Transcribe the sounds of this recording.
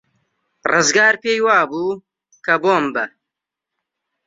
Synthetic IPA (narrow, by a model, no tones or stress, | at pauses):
rɨzɡaːɾpeːjwaːbuː | kɐboːmbɐ